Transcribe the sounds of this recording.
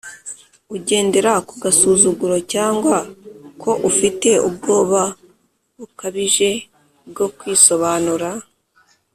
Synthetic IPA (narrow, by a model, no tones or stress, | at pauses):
uɟe̞ːnde̞ɾakuɡasuːzuɡuɾo̞caːŋɡwakʰo̞ʔufite̞ub̚ɡo̞ːβa | βukaβiʒe̞ | b̚ɡo̞kwiːso̞βaːnuɾa